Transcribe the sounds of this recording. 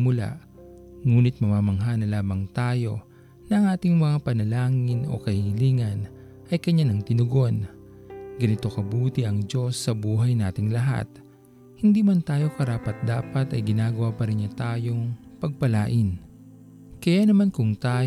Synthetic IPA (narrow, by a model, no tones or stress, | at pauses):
mʊla̰ʔ | ŋuːnɪt̪̚mɐmaːmɐŋɦanɐlaːmbɐŋt̪aːjo̞ | nɐɐŋʔaːt̪ɪŋmɐŋapɐnɐlaːŋɪno̞̰kɐhɪliːŋɐn | ʔɐjkɐɲanɐŋt̪ɪnʊɡo̞n | ɡɐnɪt̪o̞kɐbuːt̪ɪʔɐŋd͡ʒo̞sːɐbuːɦɐjnaːt̪ɪŋlɐɦa̰t̪̚ | hɪnd̪imɐnt̪aːjo̞kɐɾaːpɐt̪̚d̪aːpɐt̪ɐjɡɪnaːɡɐwapɐɾɪnɲɐt̪aːjo̞ŋpɐɡ̚pɐlaːʔɪn | kɐjanɐmankʊŋt̪aː